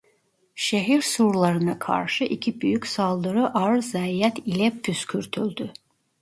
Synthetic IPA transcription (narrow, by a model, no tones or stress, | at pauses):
ʃeɦiɾsuɾlˠaɾɯnakʰa̰ɾʃɯʔicʰibyjycʲsalˠd̪ɯɾɯʔaɾzæjɛt̪ʰilʲɛpʰyscʰyɾt̪ʰylʲd̪y